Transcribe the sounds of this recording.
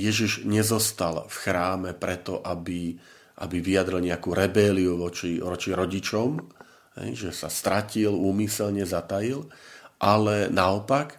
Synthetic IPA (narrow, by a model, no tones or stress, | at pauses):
jɛʒiʒɲɛzɔst̪alfxɾaːmɛpɾɛt̪ɔʔabi | ʔa̰biʋijad̪ɾilɲɛakuːɾɛbɛliuʋɔt͡ʃiʋɔt͡ʃiɾɔɟit͡ʃɔm | ɦɛ̰jʒɛsa̰st̪ɾaciluːmisɛlɲɛzat̪ajilʔalɛnaɔpak